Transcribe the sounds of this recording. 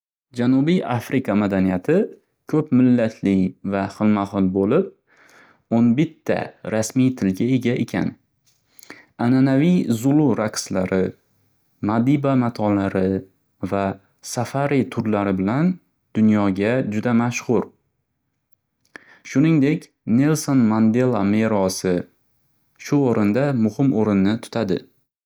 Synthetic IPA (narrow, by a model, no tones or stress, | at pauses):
d͡ʒanubijʔafɾɪkʰamad̪anijat̪ʰɪ | kʰɵpmɪlːat̪ʰlɪjvaχɨlmaχɨlˠbolɪp̚ | onbɪt̪ʰːa̰ɾasmijt̪ʰɪlɡʲae̞ɡʲaʔe̞kʲʰa̰n | ananavijzʊlˠʊɾakslaɾɪ | mad̪ibamat̪ʰɒlaɾɪ | va | safaɾit̪ʰʊɾlaɾɪbɪlan | d̪̥ʊnjɒɡʲad͡ʒʊd̪amaʃhʊɾ | ʃʊnɪŋd̪e̞kʲ | ne̞lsonmand̪e̞lˠame̞ɾɒsɪ | ʃʊoɾɪnd̪amʊhɪmoɾɪnːɪt̪ʰʊ̥t̪ʰad̪ɪ̰